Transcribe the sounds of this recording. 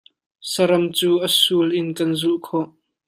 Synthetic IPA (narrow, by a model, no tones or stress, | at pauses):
səɾɐmt͡suːʔəsuːlʔɪnkɐnzuʔkʰɔʔ